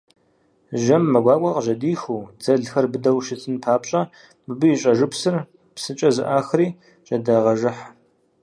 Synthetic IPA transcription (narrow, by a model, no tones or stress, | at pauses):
ʒɐmːɐɡʷaːkʷʼɐqəʒɐdiːxuːd͡zɐɮxɐrbɨdɐwʃɪt͡sʰɨnpʰaːpɕʼɐ | bɨbɨjiɕʼɐʒɨpsɨr | psɨt͡ʃʼɐzɨ̰ʔaːxriː | ɕʼɐdaʁɐʒɨħ